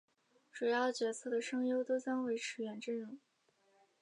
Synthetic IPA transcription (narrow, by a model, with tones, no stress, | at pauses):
ʈ͡ʂu˨˩jɑ˥˩ʊt͡ɕɥɛ˧˥t͡sʰɤ˥˩d̪ə˩ʂɤ˥ŋjo˥ʊt̪o˥ʊt͡ɕjɑ˥ŋwe˧˥ɪʈ͡ʂʰɻ̩˧˥ɥɛ˧˥nʈ͡ʂə˥˩nɻu˧˥˩ŋ